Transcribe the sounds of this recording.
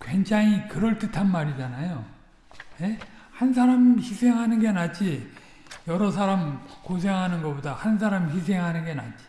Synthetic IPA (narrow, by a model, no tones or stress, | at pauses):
kwe̞nd͡ʑaŋikɯɾʌɭtɯtʰanmaɾid͡ʑanajo | je | hans̬ʰaɾamçisʰe̞ŋɦanɯnɡenad͡ʑi | jʌɾʌs̬ʰaɾamkos̬ʰe̞ŋɦanɯnɡʌbodahans̬ʰaɾamçis̬ʰe̞ŋɦanɯnɡe̞na̰d͡ʑi̥